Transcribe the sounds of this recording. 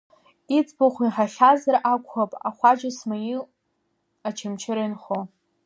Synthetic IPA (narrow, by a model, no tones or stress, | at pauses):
it͡sʼboχʷiħaχʲazarakʷʰχapʼaχʷad͡ʒasmaji | at͡ʃʰamt͡ʃʰɪɾainχo